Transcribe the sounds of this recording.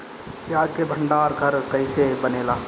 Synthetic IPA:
pjaːd͡ʒkebʱəɳɖaːɾkɐɾkɐɪsebəneːlaː

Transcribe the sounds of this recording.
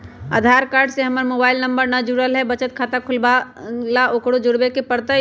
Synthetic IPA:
ə̰d̪ʱaɾkaːɾɖseɦəməɾmobaːɪlnəmbəɾnad͡ʒuɾəlɦɛbət͡ʃət̪̚kʰat̪akʰʊlbalaokɽod͡ʒʊɽbekepəɾt̪ə

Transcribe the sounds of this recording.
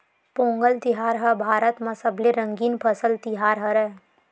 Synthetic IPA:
põːŋɡəlt̪ɪɦaːɾɦɐbʱaːɾət̪mãsɐbleɾɐ̃ŋɡiːnpʰɐsəlt̪ɪɦaːɾɦɐɾɛ

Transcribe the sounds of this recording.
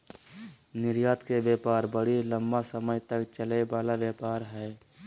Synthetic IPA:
nɪɾjaːt̪kebjeːpaːɾbəɽilə̃mbasəməjt̪əkt͡ʃəlebaːlaʋjaːpaːɾɦɛː

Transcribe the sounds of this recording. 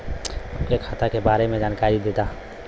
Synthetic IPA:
əpkekʰaːt̪akebaːɾemẽd͡ʒaːnkaːɾid̪eːt̪aɦ

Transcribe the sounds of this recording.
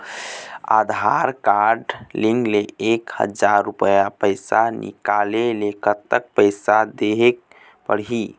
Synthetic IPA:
a̰d̪ʱaɾkaɾɖliŋɡleekhə̰d͡ʒaɾːupəjapəjsanḭkalelekət̪ːək̚pəɪsad̪eɦek̚ | pəɽɦi

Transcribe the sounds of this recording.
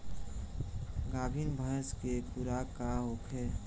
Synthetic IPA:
ɡaːbʱinbʱəskepuɾakaɦoːkʰɦɛː

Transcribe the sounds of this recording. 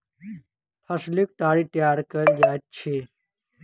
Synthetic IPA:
pʰəsluk̚ʈ̪aːɽit̪jaːɾkəɾd͡ʒajt̪̚t͡ʃʰe

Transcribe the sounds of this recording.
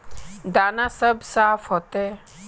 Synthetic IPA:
d̪aːnasəbsaːfɦot̪e

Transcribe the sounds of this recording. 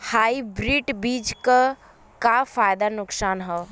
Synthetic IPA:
haːibɾiːʈbiːd͡ʒka | kafaːjd̪anʊksaːnɦɛ

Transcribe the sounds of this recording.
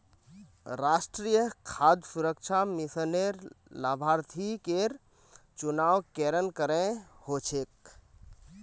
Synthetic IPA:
ɾasʈɾijəkʰad̪ʱsuɾək̚t͡ʃʰamisəneɾlabʱaɾt̪ʰikeɾ | t͡ʃunawkeɾənkəɾẽhot͡ʃʰek̚

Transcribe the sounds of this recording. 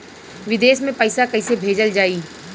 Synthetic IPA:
ʋɪd̪eːʃmẽpəɪsakɐɪsebʱeːd͡ʒəld͡ʒaːiː

